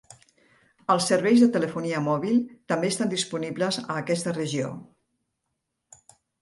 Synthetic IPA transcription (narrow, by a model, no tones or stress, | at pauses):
əlˠsəɾβɛjzðət̪ələfuniəmɔβilˠt̪əmbeːst̪and̪ispunibləzə̰ːkɛst̪ərəʒio̰